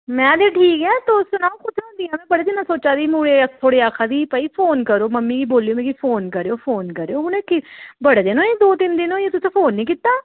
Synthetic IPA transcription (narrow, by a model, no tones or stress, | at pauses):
mɛ̃ːd̪eːʈʰiːkɛ̃ːt̪osʊnaːokʊt̪ʰẽɦʊ̃nd̪ijãːmɛ̃ːbəɽeːd̪ɪnːãːsoːt͡ʃaːd̪iːmuːɽeːt̪ʰoːɽeːaːkʰaːd̪iːpaːiːpʰoːnkəɾoːməmːiːkiːboːlijõːmɛ̃kipʰoːnkəɾeːoːpʰoːnkəɾeːoːʊnẽːkɪbəɽeːd̪enõːeːd̪oːt̪ɪnd̪ɪnõːjeːt̪ʊsẽːpʰoːnːĩːkiːt̪aː